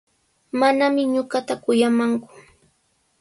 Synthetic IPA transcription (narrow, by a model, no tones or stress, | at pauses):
manamɪɲʊɢɑt̪akʊjamaŋkʊ̥